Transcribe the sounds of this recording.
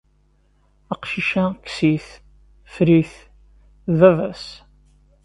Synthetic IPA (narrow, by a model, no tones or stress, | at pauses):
æqʃiʃæksiθ | fɾiθ | ðvævæs